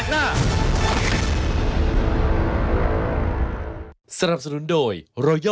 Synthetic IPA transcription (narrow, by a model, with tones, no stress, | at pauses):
sa˧na˨˩p̚sa˧nu˨˩˦ndoː˧jɾɔ˧˥jɔ